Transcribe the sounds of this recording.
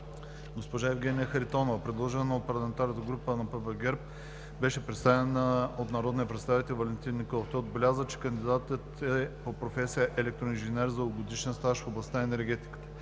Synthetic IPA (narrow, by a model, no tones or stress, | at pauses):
ɡospoʒaɛvɡʲɛnʲijəxɐɾit̪ɔnovɐpɾɛd̪lˠɔʒɛnnɐot̪̚pɐɾlˠɐmɛnt̪aɾnət̪əɡɾupənɐpəbɛɡɛɾp̚ | bɛʃɛpɾɛt̪st̪avɛnəot̪nɐɾɔd̪niəpɾɛt̪st̪avit̪ɛlˠvɐlɛnt̪innikolˠft̪ɔjod̪̚bɛlʲazət͡ʃɛ̥kɐnd̪id̪at̪ət̪ɛpopɾofɛsijəʔɛlɛk̚t̪ɾoinʒɛnɛɾzɐɡod̪iʃɛnst̪aʃfoblˠɐst̪aɛnɛɾɡʲɛt̪i̥kə̥t̪ə̥